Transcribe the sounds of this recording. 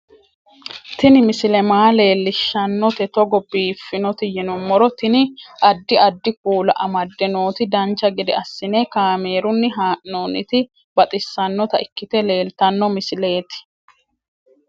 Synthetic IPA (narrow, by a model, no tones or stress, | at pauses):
t̪ɪnɪmɪsɪlɛmaːle̞ːlːɪʃːɐnːɔt̪ɛt̪ɔɡɔbiːfːɪnɔt̪ɪjɛnɔmːɔɾɔt̪ɪnɪʔɐd̪ːɪɐd̪ːɪk̚uːlɐ̰ʔɐmɐd̪ːɛno̞ːt̪ɪd̪ɐnt͡ʃːɐɡɛd̪ɛ̰ɐsːɪneːkaːme̞ːɾʊnːɪɦaːʔnoːnɪ̰t̪ɪ | bɐt̪ʼɪsːɐnːɔt̪ɐɪkːɪt̪ɛle̞ːlt̪ɐnːɔmɪsɪle̞ːt̪ɪ̥